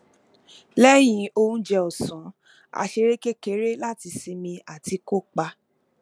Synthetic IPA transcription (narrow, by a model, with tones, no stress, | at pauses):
lɛ˦j̃ĩ˧o˧ũ˦d͡ʒɛ˧ɔ˨sɔ̃˨˦ | a̰˨˧ʃe˧ɾe˦ke˦ke˦ɾe˦la˦ti˧si˧mĩ˧a˨ti˧ko˦k͡pa˧